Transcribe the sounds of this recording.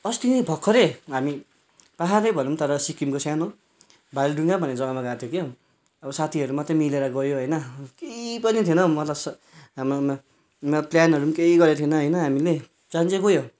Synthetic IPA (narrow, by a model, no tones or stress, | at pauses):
ʌst̪inʌjbʱʌkʰːʌɾeɦami | paɦaɾʌjbʱʌnumt̪ʌɾʌsikimkosjano | bʱajlɖuŋɡabʱʌned͡zʌɡamaɡat̪ʰjokje | ʌbʌsat̪ʰiɦʌɾumʌt̪rʌmileɾʌɡʌjoɦʌjnʌkepʌnit̪ʰinʌmʌt̪lʌs | ɦamo | pljanɦʌɾumkeiɡʌɾet̪ʰinʌɦʌjnʌɦamile | t͡sãnt͡seɡojo